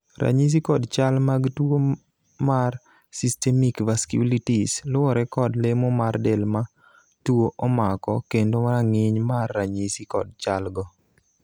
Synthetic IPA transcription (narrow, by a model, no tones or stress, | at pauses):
ɾa̰ɲis̬ikɔdt͡ʃalmaɡto | mar | sistɛmikvaskṵlitislʊwɔɾɛkɔdlemɔmardɛlma | twoʔɔmakɔkendomaɾaŋɪɲmarːaɲisikɔ̰d̚t͡ʃalɡɔ